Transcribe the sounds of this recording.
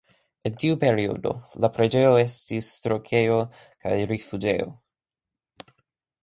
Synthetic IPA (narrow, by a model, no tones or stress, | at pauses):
entiupe̞ɾio̰do̞̰lapɾed͡ʒe̞o̞e̞stistɾokʰe̞jo | ka̰jɾifud͡ʒḛo̰